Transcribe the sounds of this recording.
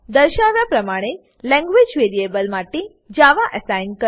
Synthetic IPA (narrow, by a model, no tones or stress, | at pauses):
d̪əɾʃaʋjapɾəmaɽ̃e | lɛ̃ŋɡʋed͡ʒʋeɾiebəlmaʈe | d͡ʒaʋaʔəsajnkə